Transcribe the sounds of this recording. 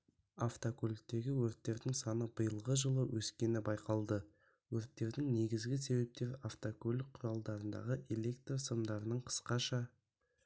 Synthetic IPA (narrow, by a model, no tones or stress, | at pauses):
aft̪okolʲɪk̚t̪e̞ɡʲɪwɵɾt̪ːe̞ɾd̪ɪŋsɑnəbəjəlˠʁəʒəlˠəwʔɵskʲe̞nɪbɑjqɑlˠd̪ə | wɵɾt̪ːe̞ɾd̪ɪŋne̞ɡʲɪzɡʲɪse̞we̞p̚t̪e̞ɾaft̪okolʲɪk̚qʰːʊɾɑlˠd̪ɑɾənd̪ɑ̰ʁəʔe̞le̞kt̪rosəmd̪ɑɾənəɴqʰə̥sqɑʃɑ